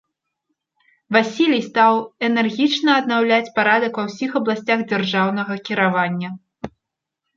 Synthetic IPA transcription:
vasʲilʲijst̪awɛnɛrɣʲit͡ʂnɐːd̪nawlʲat͡sʲpaɾad̪ɐkvɐwsʲixɐblˠasʲt͡sʲaɣd͡zʲarʐawnɐɣɐkʲiɾavanʲːɐ

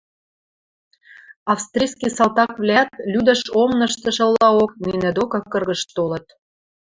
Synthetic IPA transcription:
ɑfst̪rʲiskisɑlt̪ɑkvlʲæt̪lyd̪əʃomnɤ̆ʃt̪ə̆ʃə̆lːɑokninə̆d̪okɤ̆kːɤ̆rɣə̆ʃt̪olɤ̆t̪

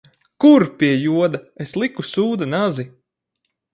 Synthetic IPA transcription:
kuɾpʲiɛjuɔd̪aeslˠikusuːd̪anazi

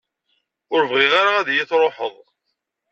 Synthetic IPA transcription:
ʊɾvʁɪʁaɾaæðjɪθɾˤoħəðˤ

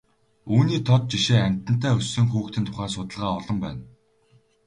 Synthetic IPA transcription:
uːniːt̪ʰɔt̪̚t͡ɕiʃeːæm̥ʲt̪əɘ̆n̥t̪ʰæːɵsːɵ̆ŋxuːxt̪ʰɘ̆nt̪ʰʊ̥χæːsʊt̪ə̆ɮʁaːɔɮɞ̆mpæ̰ːn

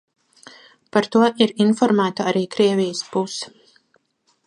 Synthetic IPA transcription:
paɾt̪uɔʔiɾinfɔɾmæːt̪aaɾiːkɾiɛvijəspus

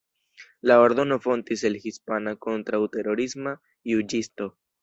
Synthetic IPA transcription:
lao̞ɾd̪o̞no̞fo̞ntiselhispanako̞ntɾawte̞ɾo̞ɾisma | jud͡ʒisto̞

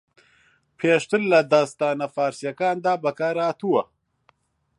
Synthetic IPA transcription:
pʰeːʃt̪ɨlːɐd̪aːst̪aːnɐfaːɾsijɐkaːnd̪aːbɐkaːɾaːt̪ʰuwɐ

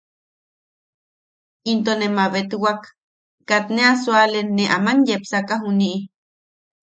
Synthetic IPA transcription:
int̪onemaβet̪uwak | kat̪neaswalenːeʔa̰manjepsakaɦuniʔi

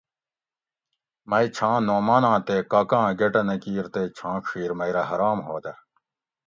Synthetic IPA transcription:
mɐit͡ɕʰãːnoːmaːnãːt̪eːkaːkãːɡeʈɐnɐkiːɾt̪eːt͡ɕʰãːkʰiːɾmɐiɾɐɦɐɾaːmɦoːt̪ɐ

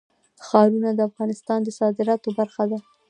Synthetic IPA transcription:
xɑɾunad̪əafɣɑnɪst̪ɑnd̪əsɑd̪ɪɾɑt̪obaɾxad̪a

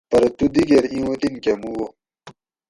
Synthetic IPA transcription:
pɐɾt̪ud̪iɡeɾĩwut̪inkemuwo

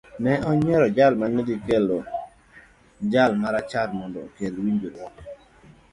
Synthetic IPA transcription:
nɛɔɲɛɾɔd͡ʒalmanedikelo | d͡ʒalmaɾat͡ʃaɾmɔndɔkjelwiɲd͡ʒoɾwɔk

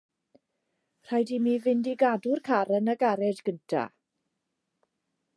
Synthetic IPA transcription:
r̥ajdimiːvɪndiɡadʊrkʰaɾənəɡaɾɛdɡəntʰa̰

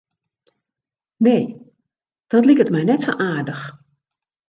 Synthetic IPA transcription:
nej | d̥ɔtlikətmɛjnɛtsoʔaːrdəx

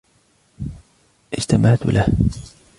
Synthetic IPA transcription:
ʔɪd͡ʒt̪amaʕt̪ʊ̰lʔah

